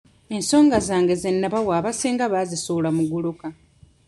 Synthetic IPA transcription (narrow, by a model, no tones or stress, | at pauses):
e̞nso̞ːŋɡazaːŋɡe̞zenːaβawaːβaseːŋɡaβazisulamuɡuluka